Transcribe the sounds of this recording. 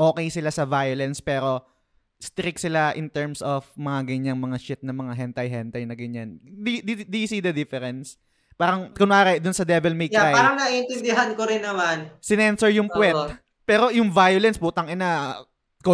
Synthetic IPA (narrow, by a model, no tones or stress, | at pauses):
ʔo̞ːkɛjsɪlasɐvajolɛnspɛːɾo̞ | st̪ɾɪksɪlaʔɪnt̪ɛɹmsofmɐŋaɡɐɲaŋmɐŋaʃɪt̪̚nɐmɐŋaɦɛnt̪ɐjɦɛnt̪ɐjnɐɡɐɲand̪id̪id̪isiːd̪ɐd̪ɪfɛɾɛns | paːɾɐŋkʊnaːɾɛd̪ʊnsɐd̪ɛvɛlmejk̪ajaːɾɐŋnɐiʔɪnt̪ɪnd̪ɪɦankoɾɪnːɐmansɪnɛnsɛɹjʊŋpwɛt | pɛːɾo̞jʊŋvajolɛnspuːt̪ɐŋɪnɐ | ko